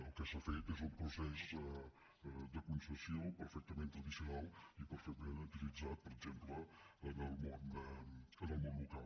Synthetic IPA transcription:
əlˠkəsafejt̪ezumpɾusɛsə | d̪əkunsəsjiopəɾfɛk̚t̪əmẽnt̪ɾəðisjunalˠipəɾfɛk̚t̪əmẽnut̪ilid͡zat̪̚pəɾəɡzempləːnəlˠmond̪əənəlˠmõnlukalˠ

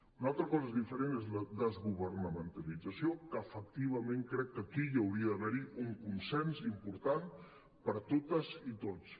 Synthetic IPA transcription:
unalˠt̪ɾəkɔzezðifəɾenezləd̪əzɣuβəɾnəmənt̪əlid͡zəsiokəːfək̚t̪iβ̞əmẽŋkɾɛkːəkijəwɾiəðəβɛɾiuŋkunsɛnzimpuɾt̪an | pəɾt̪ot̪əzit̪ot͡s

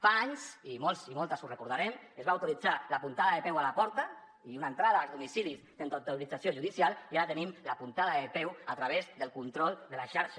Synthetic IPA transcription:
faaɲsimɔlˠzimɔlˠt̪əzurekuɾðaɾɛmezβawt̪ulid͡zalapunt̪aðaðəpɛwalapɔɾt̪a | iunaent̪ɾaðaːlzðumisilist̪enat̪ulid͡zasjoʒuðisialiaɾat̪ənimlapunt̪aðaðepɛwat̪ɾaβ̞ezðəlˠkunt̪ɾɔlˠd̪əlaʃaɾʃa

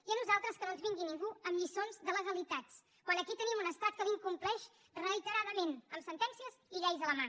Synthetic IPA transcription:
iənuzalˠt̪ɾəskənonzβiŋɡiniŋɡuəmʎisonzðələzəlit̪at͡s | kwanəkit̪ənimunəst̪at̪̚kəliŋkumplɛʃ | rəit̪əɾaðəmenəmsənt̪ɛnsiəziʎɛjzələma

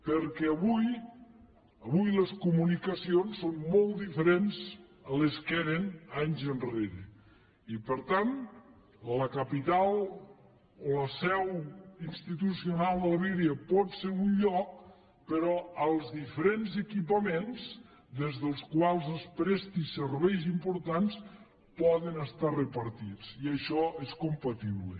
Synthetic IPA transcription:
pəɾkɛəβuj | əβujləskumunikəsionsːonmɔlˠt̪d̪ifəɾenzəleskɛɾenaɲzənreɾe | ipəɾt̪an | ləkəpit̪alˠ | oləsɛwinst̪it̪usionalˠd̪ələβiɾiəpɔt̪seɾunʎɔk̚ | pəɾɔəlˠzðifəɾenzekipəmenz | d̪ezðəlˠskwalˠzəlˠspɾɛst̪iseɾβɛjzimpuɾt̪ans | pɔðənəst̪arəpɐɾt̪it͡siəʃɔeskompɐt̪iβlḛ

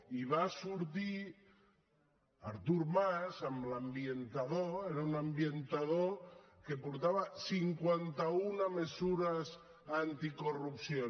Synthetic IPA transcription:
iβ̞asuɾt̪i | a̰ɾt̪uɾmasamblambjent̪aðoeɾaunambjent̪að̞okepoɾt̪aβasiŋkwant̪aunamesuɾas | ant̪ikorupsjo

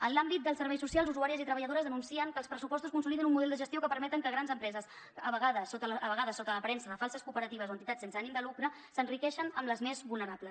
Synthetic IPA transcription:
ənlambit̪̚d̪əlˠsəɾβɛjsusialˠzuzuaɾiəzit̪ɾəβəʎəðoɾəzðənunsiəŋkəlˠspɾəsupɔst̪uskunsuliðinumːuðɛlˠd̪əʒəst̪ijokəpəɾmɛt̪əŋkəɣ̞ɾanzəmpɾɛzəs | əβəɣaðəsot̪əlːβəɣaðəsot̪ələpɾɛnsəðəfalˠsəskupəɾət̪iβ̞əzoənt̪it̪at͡ssensəanimd̪əlukɾə | sənrikɛʃənəmləzmezβulˠnəɾapləs

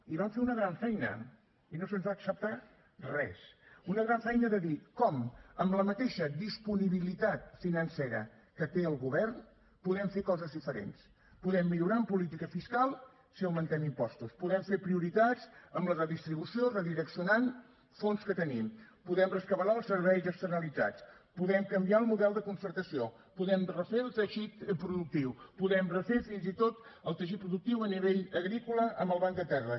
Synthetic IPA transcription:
iβamfeunəɣɾaɱfɛjnə̰ | inosənzβaːksəp̚t̪a | rɛsunəɣɾaɱfɛjnəðəðikɔməmbləmət̪eʃəd̪ispuniβilit̪at̪̚finənseɾə̰ | kət̪eəlˠɣuβɛrn | puðɛmfekɔzəzðifəɾḛns | puðɛmːiʎuɾaəmpulit̪ikəfiskalˠ | siəmənt̪ɛmimpɔst̪uspuðɛmfeɾpɾiuɾit̪azəmblərəðist̪ɾiβusiorəðiɾəksiunan | fonskət̪ənimpuðɛmrəskəβəɾaəlˠsəɾβɛjzəkst̪əɾnəlid͡za̰t͡spuðɛmkəmbiaəlˠmuðɛlˠd̪əkunsəɾt̪əsio | puðɛmrəfeəlˠt̪əʒit̪pɾuðuk̚t̪iwpuðɛmrəfefinzit̪ot̪əlˠt̪əʃit̪̚pɾuðuk̚t̪iwəniβeʎəɣɾikuləʔəmbəlˠβaŋd̪ət̪ɛrə

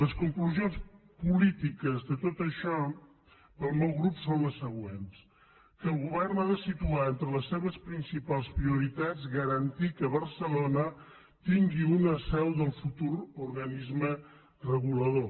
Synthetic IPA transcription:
ləskuŋkluzionspulit̪ikəzðət̪ot̪əʃɔ | pəlˠmɛwɣɾupsonləsːəɣwens | kəːlˠɣuβɛrnaðəsit̪uaent̪ɾələsːeβəspɾinsipalˠspɾiuɾit̪ad͡zɣəɾənt̪ikəβəɾsəlonə | t̪iŋɡiunəsɛwðəlˠfut̪uɾuɾɣənizmə | rəɣuləðo

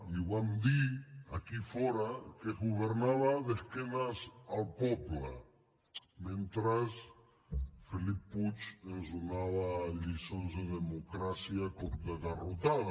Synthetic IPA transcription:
iβand̪iakifɔɾakeɣuβeɾnaβaðeskenasalpɔpla | mẽnt̪ɾas | felipːut͡ʃenzonaβaʎisonzðeðemokɾasjakoɾt̪eðarot̪að

